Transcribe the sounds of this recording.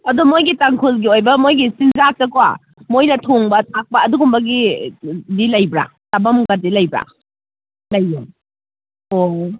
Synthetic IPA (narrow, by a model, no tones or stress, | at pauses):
ɐdumojɡitaŋkʰulɡiojbɐmojɡisinzak̚tɐkwa̰ | mojnɐtʰoŋbɐtʰak̚pɐːduɡumbɐɡi | dilɐjbɾa̰tabɐmɡɐdilɐjbɾa̰ | lɐjːa | o